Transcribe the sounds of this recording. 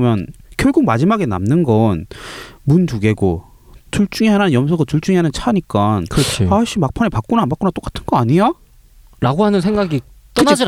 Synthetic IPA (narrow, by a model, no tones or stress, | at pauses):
ʌmjʌnkjʌɭɡuɡ̚mad͡ʑimaɡe̞na̰mnɯnɡʌnmuntuɡe̞ɡo | tuɭt͡ɕ͈uŋiɦananɯnjʌmsʰʌɡatuɭt͡ɕ͈uŋiɦanɯnt͡ɕʰaɲik͈ankɯɾʌt͡ɕʰipaɕʰimak̚pʰanepak͈̚onaːnbak͈onat͈ok͈ḁtʰɯnɡʌaɲija | ɾaɡohanɯns̬ʰe̞ŋɡaɡi | t͈ʌnad͡ʑi